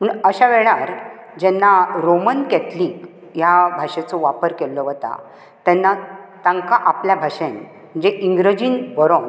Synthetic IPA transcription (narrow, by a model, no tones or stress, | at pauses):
m̤əɳəɕaʋɛɭaɾ | d͡ʑɛnːaɾomənkɛt̪liːk | jabʱaʂet͡sɔʋapəɾkɛlːɔʋət̪a̰ | t̪ɛnːat̪ãŋkaʔapljabʱaʂen | m̤əɳd͡zeʔiŋɡɾəd͡ʑiːnbəɾon